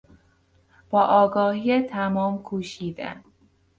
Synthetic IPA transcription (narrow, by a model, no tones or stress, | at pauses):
b̥ɒːʔɒːɡɒːhijet̪ʰæmɒːmkʰuːʃiːd̪æ̰n